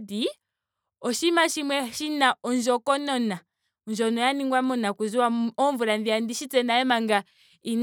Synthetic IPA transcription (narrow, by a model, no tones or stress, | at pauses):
di | ɔʃimaʃimwɛʃinaɔnd͡ʒɔkɔnɔna | ɔnd͡ʒɔnɔjaniŋɡwamɔnakuziwaɔɱvuɾandiandiʃit͡sɛnaɛmaŋɡa | in